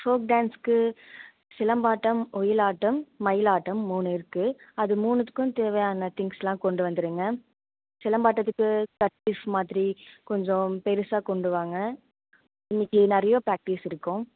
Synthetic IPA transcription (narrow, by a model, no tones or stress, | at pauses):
foːkɖaːnskɯ | sɪlɐmbaːʈːɐmɔjɪlaːʈːɐmːɐjɪlaːʈːɐmːuːnɪɾɯkːɯɐðɯmuːnɐt̪ːɯ̥kːʊ̃t̪eːʋɐjaːnɐt̪ɪŋɡsɛlãːkɔɳɖɯʋɐnd̪ɯɾɯːŋɡɐ | sɪlɐmbaːʈːɐt̪ːɯkːɯkɐʈːɪfmaːðɾikɔɲd͡ʒɔ̃pɛɾɯsaːkɔɳɖɯʋaːŋɡɐ | ɪnːɪkːɯnɪɾɐjoːpɾaːk̚ʈisɪɾɯkːʊ̃